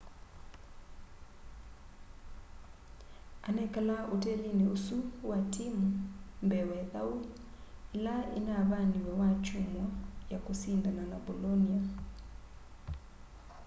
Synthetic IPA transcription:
anɛkalaʔotɛlineosuwatimumbɛwɛðau | ɛlaḭnaβaniwɛwat͡ʃumwajakosindananabolɔnia

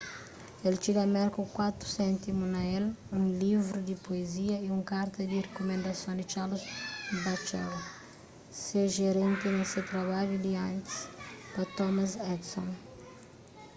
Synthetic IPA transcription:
elt͡ʃiɡɐmɛɾkukwat̪ɾu̥sɛ̃nt̪imunɐelũŋlivɾud̪ipoeziɐiũŋkaɾt̪ɐd̪irekumẽnd̪ɐsjõnd̪it͡ʃaɾlusbat͡ʃɛɡ | seʒeɾẽnt̪inɐsewt̪ɾɐβaʎud̪iãnt̪i̥spɐt̪ɔmɐsɛd̪sõn

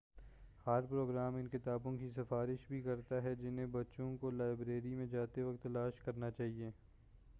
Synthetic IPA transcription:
haːɾpɾoːɡɾaːmɪnkɪt̪aːbõkisɪfaːɾɪʃbʱikɐɾt̪aɦɛd͡ʒɪnɦẽbɐtːʃõkolaːɪbɾeːɾimẽd͡ʒaːt̪eʋɐk̚t̪ːɐlaːʃkɐɾnat͡ʃaːɦieː

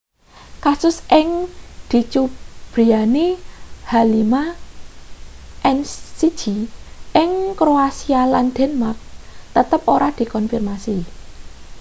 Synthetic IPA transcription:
kasʊsʔɪŋd̪̥i̤t͡ʃub̥ɾianehalima | ʔɛnsid̥ʒ̥i̤ʔɪŋkɾoasialand̪̥ɛnmak̚t̪ət̪əpoɾad̪̥i̤kɔnfirmasi

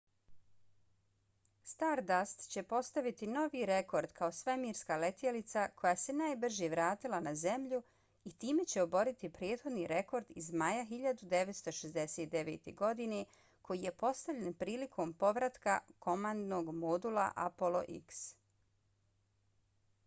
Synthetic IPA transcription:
st̪aːɾd̪ast̪t͡ɕe̞po̞st̪aʋit̪ino̞ʋiɾe̞ko̞ɾd̪kʰao̞sʋemiːɾskale̞t̪jelit̪sakʰo̞jaːse̞naːjbr̩ʒjeʋɾaːt̪ilanaze̞mʎu | it̪iːme̞t͡ɕe̞o̞bo̞ɾit̪ipɾjeːd̪xo̞d̪niɾe̞ko̞ɾd̪izmajaxiʎad̪ud̪e̞ʋe̞t̪st̪o̞ʃezd̪e̞set̪̚d̪e̞ʋe̞ːt̪e̞̰ɡo̞d̪ine̞ | kʰo̞jije̞po̞st̪aʋʎʲe̞npɾiːlikʰo̞mpo̞ʋɾat̪kako̞mand̪no̞ɡmod̪ula̰ʔa̰polˠo̞̰ʔḭks

